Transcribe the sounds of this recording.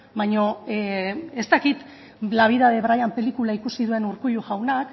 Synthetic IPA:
bajɲo̞ | est̪akit̪ | laβ̞iðaðe̞βɾajampe̞likulaikusiðue̞nuɾkujuɣawnak

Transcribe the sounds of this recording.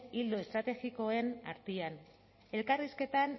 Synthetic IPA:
ild̪oe̞st̪ɾat̪e̞ɣiko̞e̞na̰ɾt̪ian | e̞lkariske̞t̪an

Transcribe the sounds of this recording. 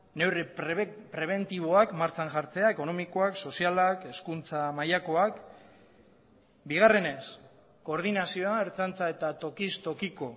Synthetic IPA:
ne̞wrepɾe̞β̞e̞nt̪iβo̞akmaɾt͡ʃanʝaɾt͡se̞ae̞ko̞no̞miko̞akso̞sialake̞skunt͡samajako̞ak | biɣ̞are̞ne̞s | ko̞ːɾðinasioaeɾt͡sant͡sae̞t̪at̪o̞kist̪o̞kiko̞

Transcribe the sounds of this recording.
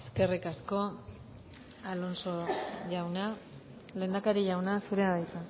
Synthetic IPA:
eske̞rikasko̞ | alo̞nsoʝawna | le̞ːnd̪akaɾiʝawnasuɾeaðajt͡s̪a

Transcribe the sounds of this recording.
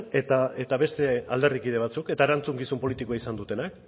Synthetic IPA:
ne̞t̪ae̞t̪aβe̞st̪e̞ald̪erikið̞e̞β̞at͡suke̞t̪aeɾant͡suŋɡisumpo̞lit̪ikoaisand̪ut̪e̞nak

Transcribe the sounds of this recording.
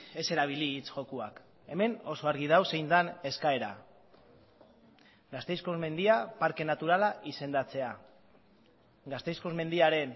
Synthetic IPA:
e̞se̞ɾaβ̞iliːt͡sʝo̞kuak | e̞me̞no̞so̞aɾɣ̞iðawse̞jnt͡sane̞skae̞ɾa | ɡast̪e̞jsko̞zme̞nd̪iapaɾke̞nat̪uɾalaʔise̞nd̪at͡se̞a | ɡast̪e̞jsko̞zme̞nd̪iaɾe̞n

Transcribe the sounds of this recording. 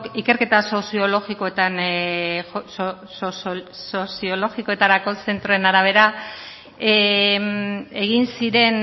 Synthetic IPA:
ike̞ɾke̞t̪aso̞sio̞lo̞ɣiko̞et̪an | soso̞sio̞lo̞ɣiko̞e̞t̪aɾako̞se̞nt̪ɾoe̞naɾaβ̞e̞ɾa | e̞ɣ̞insiɾe̞n

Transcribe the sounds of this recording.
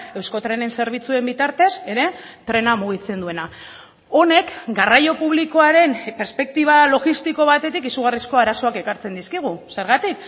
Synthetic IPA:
e̞wsko̞t̪ɾe̞ne̞nse̞ɾβ̞it͡sue̞mbit̪aɾt̪e̞se̞ɾe̞t̪ɾe̞namuɣ̞it͡se̞nd̪ue̞na | o̞ne̞kɡarajo̞puβliko̞aɾe̞mpe̞ɾspe̞k̚t̪iβalo̞ɣist̪iko̞β̞at̪e̞t̪ikisuɣ̞arisko̞aɾaso̞ake̞kaɾt͡se̞nd̪iskiɣ̞use̞ɾɣat̪ik

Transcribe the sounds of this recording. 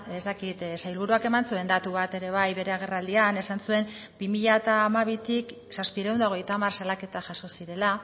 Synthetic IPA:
est̪akit̪sajlβ̞uɾuake̞mansue̞nd̪at̪uβat̪e̞ɾe̞β̞ajβe̞ɾe̞aɣ̞e̞rald̪iane̞sansue̞m | bimiʎat̪aːmaβ̞it̪ik | saspiɾeuwnd̪aoɣ̞e̞jt̪amaɾsalake̞t̪aʝaso̞siɾe̞la

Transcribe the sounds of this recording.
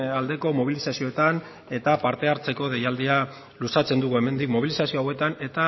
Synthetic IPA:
ald̪e̞ko̞mo̞β̞ilisasio̞et̪an | e̞t̪apaɾt̪e̞aɾt͡se̞ko̞ð̞e̞jald̪ia | lusat͡se̞nd̪uɣue̞me̞nd̪ikmo̞β̞ilisasioawe̞t̪ane̞t̪a

